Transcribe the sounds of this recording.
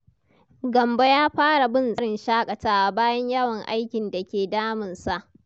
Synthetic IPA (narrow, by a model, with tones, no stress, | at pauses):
ɡɐ˨mba˦jaː˦ɸaː˦ɽa˨bɪ˦˨nzɐ˦ɽɪ˨nʃaː˦kʼɐ˨taː˦ʔa˨baː˦jɐ˦ɲjɐ˦wɐ˨ŋʔa̰˦jkʲɪ˨nda˨kʲeː˨daː˦mɪ˨nsa˨ʔ